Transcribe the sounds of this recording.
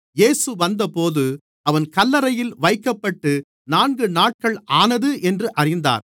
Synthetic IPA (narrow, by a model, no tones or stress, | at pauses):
jeːsɯʋɐnd̪ɐpoːðɯ | ɐʋɐnkɐlːɐɾɐjɪlʋɐɪkːɐpːɐʈːɯ | naːnɡɯnaːʈ̚kɐɭʔaːnɐðɯʔɛndrɯʔɐrɪnd̪a̰ːɾ